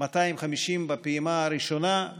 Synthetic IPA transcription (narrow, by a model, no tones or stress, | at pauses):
mat̪aimχamiʃimbapiimaːɾiʃo̞na